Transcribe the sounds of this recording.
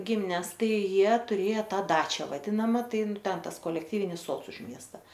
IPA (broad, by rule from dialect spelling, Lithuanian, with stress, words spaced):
ˈɡʲɪmʲɪnʲɛs ˈtɐɪ ˈjiɛ tʊˈrʲeːjɛ ˈtɐ ˈdɑːt͡ʃʲæː ʋɐˈdʲɪnɐmɐ ˈtɐɪ ˈtʲɛn ˈtɐs koːlʲɛkˈtʲiːʋʲɪnʲɪs ˈsoːts ʊʃ ˈmʲiɛstɐ